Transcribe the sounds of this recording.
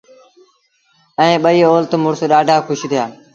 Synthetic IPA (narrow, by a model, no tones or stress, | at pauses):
ɛẽːɓəiːoːlt̪mʊɾsɗaːɖʱaːkʰʊʃt̪ɪjaː